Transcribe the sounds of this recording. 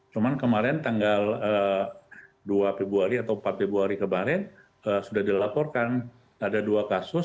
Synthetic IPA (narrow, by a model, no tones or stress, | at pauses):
t͡ʃumankəmaɾɛnt̪aŋɡaləː | duafebuaɾiat̪awmpat̪̚febuaɾikəmaɾɛn | əsudahdilapɔrkan | adaduakasʊ